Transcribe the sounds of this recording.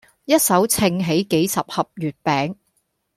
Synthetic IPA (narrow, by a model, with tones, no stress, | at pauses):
jɐ˥t̚sɐ˨˥wt͡sʰɪ˧ŋɦe˨˥jke˨˥jsɐ˨p̚hɐ˨p̚jyː˨t̚pɛː˨˥ŋ